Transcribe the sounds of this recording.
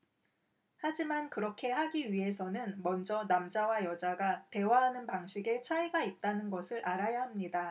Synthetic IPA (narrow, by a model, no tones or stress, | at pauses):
had͡ʑimankɯɾʌkʰe̞haɡiɥiɦe̞sʰʌnɯnmʌnd͡ʑʌnamd͡ʑawajʌd͡ʑaɡate̞waɦanɯnpaŋɕʰiɡe̞t͡ɕʰaiɡait̚t͈anɯnɡʌsʰɯɾʔaɾajahamɲida